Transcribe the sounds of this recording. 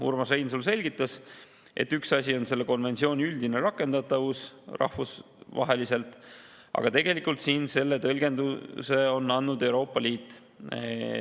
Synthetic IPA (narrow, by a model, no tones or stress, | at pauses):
ṵrmɑsejnsulse̞lʲɡ̥it̪ːˑɑs | ʔe̞̰t̪ːyksɑsʲio̞nse̞lːe̞ko̞nve̞nt̪sio̞ːnʲiyld̪̥ineɾɑkːˑe̞nd̪̥ɑt̪ːˑɑvusrɑ̰hfus | vɑ̰ɦe̞lise̞lt̪ːˑ | ɑ̰ɡ̥ɑt̪e̞ɡ̥e̞likːˑult̪siːnse̞lːe̞t̪ɤlɡ̥e̞nd̪use̞o̞nːɑnːud̪e̞wɾo̞ːpːˑɑliːt̪ːˑ